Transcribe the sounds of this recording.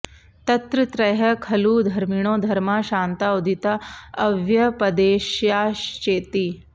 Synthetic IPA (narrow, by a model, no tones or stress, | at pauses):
t̪ɐt̪ɾɨt̪ɾɐɦɐkʰɐluːd̪ʱɐɾmiɽ̃oːd̪ʱɐɾmaːʃaːnt̪aud̪ʱit̪aɐʋjɐpɐd̪eːʃjaːʃt͡ʃeːt̪iː